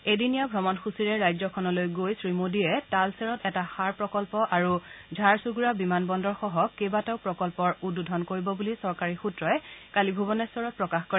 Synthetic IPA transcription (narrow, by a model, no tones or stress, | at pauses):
edinijabʱɹɔmɔnxusiɹɛɹajzɔkʰɔnɔlojɡojsɹimodiɛtalseɹɔtɛtaxaɹpɹɔkɔlpɔʔaɹuzʱaɹsuɡuɹabimanbɔndɔɹxɔɦɔkebataʊpɹɔkɔlpɔɹududʱɔnkoɹibɔbulisɔɹkaɹixutɹɔjɛkalibʱubɔnɛsɔɹɔt̚pɹɔkaxkɔɹɛ